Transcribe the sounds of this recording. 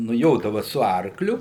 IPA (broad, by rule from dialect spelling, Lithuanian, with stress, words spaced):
nʊˈjoːdɐʋɐ sʊ ˈɐrklʲʊ